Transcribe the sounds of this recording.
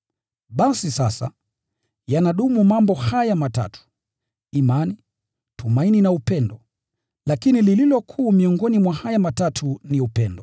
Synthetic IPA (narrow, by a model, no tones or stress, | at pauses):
ɓasisasa̰ | janaɗumumambɔhajamata̰tu̥ | imani | tumaininaupɛndɔ | lakinilililɔkʰuːmiɔŋɡɔnimwahajamatatʰuniupɛndɔ